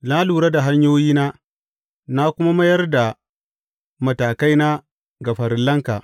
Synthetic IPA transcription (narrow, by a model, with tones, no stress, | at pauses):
la˦luː˨ɽa˦da˨ɦa˦ɲjoː˦jiː˦naː˦ | na˦kʷʊ˦ma˦mɐ˦jɐ˦rda˨ | mɐ˨taː˨ka˦jna˦ | ɡɐ˨ɸɐ˨ɾɪ˦lːɐ˦ŋkaː˨